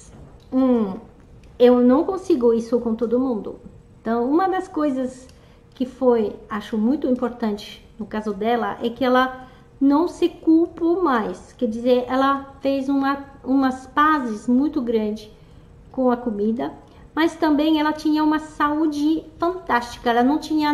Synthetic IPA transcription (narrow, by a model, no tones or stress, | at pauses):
ũ | ewnɐ̃w̃kõsiɡʊisʊkõt̪od̪ʊmũnd̪ʊ̰ẽnt̪ɐ̃w̃ũmɐd̪ɐskojzɐs | kɪfojaʃʊmũj̃t̪ʊĩmpoɾt̪ɐ̃nt͡ʃɪ̥ | nʊkazʊd̪ɛlɐʔɛkɪɛlɐ | nɐ̃w̃sɪkulpomajskɛd͡ʒizeɾʔɛlɐfejzũɐũmɐspazɪzmũj̃t̪ʊɡɾɐ̃nd͡ʒɪ | kõw̃ɐkomid̪ɐ | mɐst̪ɐ̃mbẽj̃ɛlɐt͡ʃĩɲɐũmɐsaud͡ʒɪfɐ̃nt̪ast͡ʃi̥kɐɛlɐnɐ̃w̃t͡ʃĩɲɐ